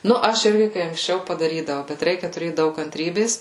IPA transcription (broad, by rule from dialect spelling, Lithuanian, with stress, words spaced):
ˈnʊ ˈɐʃ ˈɪrʲɡʲɪ kɐɪ ɐŋksʲˈt͡ʃʲɛʊ pɐdɐˈrʲiːdɐʋɐʊ bʲɛt ˈrʲɛɪkʲɛ tʊˈrʲeːt ˈdɐʊk kɐnʲtʲˈrʲiːbʲeːs